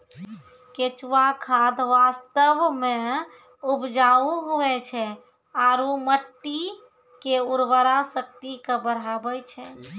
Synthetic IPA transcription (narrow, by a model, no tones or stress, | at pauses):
ket͡ʃʋakʰad̪ʱʋast̪əʋme | upd͡ʒauɦoʋɛt͡ʃʰɛ | aɾuməʈːi | keuɾʋəɾasək̚t̪ikebəɾ̤abɛjt͡ʃʰɛ